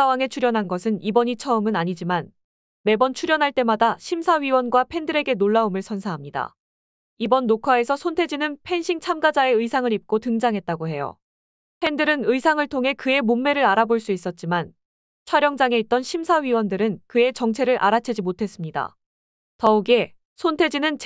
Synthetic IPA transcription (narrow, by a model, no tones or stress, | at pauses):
awaŋe̞t͡ɕʰuɾjʌnɦanɡʌsʰɯnibʌɲit͡ɕʰʌɯmɯnaɲid͡ʑiman | me̞bʌnt͡ɕʰuɾjʌnɦaɭt͈e̞madaɕʰimsʰaɥiwʌnɡwapʰe̞ndɯɾe̞ɡe̞noɭːaomɯɭsʰʌnsʰaɦamɲida̰ | ibʌnːokʰae̞sʰʌsʰontʰe̞d͡ʑinɯnpʰe̞nɕʰiŋt͡ɕʰamɡad͡ʑaeɯisʰaŋɯɾip̚k͈otɯŋd͡ʑaŋɦe̞t̚t͈aɡoɦe̞jo̰ | pʰe̞ndɯɾɯnɯisʰaŋɯɭtʰoŋɦe̞kɯe̞momːe̞ɾɯɾaɾaboɭs͈uis͈ʌt̚t͡ɕ͈iman | t͡ɕʰwaɾjʌŋd͡ʑaŋe̞it̚t͈ʌnɕʰimsʰaɥiwʌndɯɾɯnkɯe̞t͡ɕʌŋt͡ɕʰe̞ɾɯɾʔa̰ɾat͡ɕʰed͡ʑimotʰe̞s͈ɯmɲida̰ | tʌuɡe̞ | sʰontʰe̞d͡ʑinɯnt͡ɕ